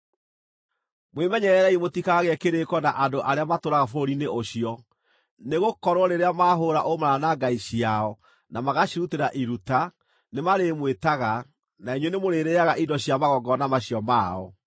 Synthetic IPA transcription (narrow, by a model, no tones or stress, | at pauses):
mwemɛɲɛɾɛɾɛimotikaaɣeɛkeɾekɔnaʔadoʔaɾeamatoɾaɣafoɾineʔoɕiɔ | neɣokɔɾwɔɾeɾeamaːɦoɾaʔomaɾanaɡaiɕiaɔ | namaɣaɕiɾuteɾaʔiɾuta | nemaɾemwetaɣa | naiɲwenemoɾeɾeaɣaʔidɔɕiamaɣɔɡɔnamaɕiɔmaːɔ̰